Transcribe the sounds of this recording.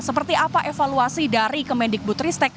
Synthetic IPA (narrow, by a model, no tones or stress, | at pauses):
səpərt̪iapaʔefaluasidaɾikəmɛndɪk̚but̪ɾist̪ɛk̚